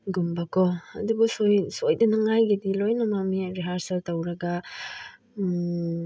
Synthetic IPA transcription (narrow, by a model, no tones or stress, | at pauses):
ɡumbakɔɐ̰dubusojsojdɐnaŋajɡidilojnɐmamiɾiɦaɾsɐltɐwɾɐɡa